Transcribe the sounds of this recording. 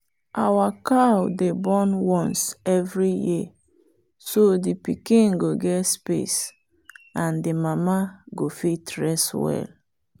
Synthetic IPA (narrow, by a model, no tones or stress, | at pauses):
ʔawakawdebɔnwɔ̃nsɛvɹiji | sodipikĩnɡoɡɛtspḛs | ãndimamaɡofitɹɛswɛ̰l